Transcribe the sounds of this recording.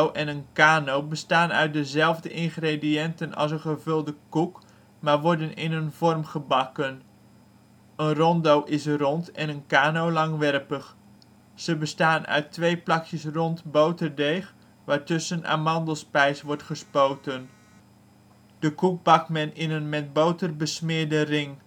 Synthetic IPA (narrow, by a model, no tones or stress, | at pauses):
wʔɛnənkaːnowbəstaːnœ̰ɥt̚dəzɛlˠvdəʔɪnχrediɛntənɑ̰lˠsənχəvɵlˠdəkuk | maːɹʋɔɹdənɪnənvɔrmχəbɑkən | ənrɔndowʔɪsrɔntɛnənkaːnowlɑŋʋɛrpəχ | z̥əbəstaːnœ̰ɥtʋejplɑkjəsrɔntbowtərdejχ | ʋaːɹtɵsəna̰ːmɑndəlˠspɛjsʋɔɹtχəspowtən | d̥əkuk̚bɑk̚mɛnɪnənmɛt̚bowtərbəsmɪːɹdərɪŋ